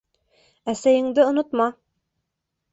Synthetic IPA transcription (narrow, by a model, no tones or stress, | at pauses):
æsæjɘ̆ŋd̪ɘŏnŏt̪mɑ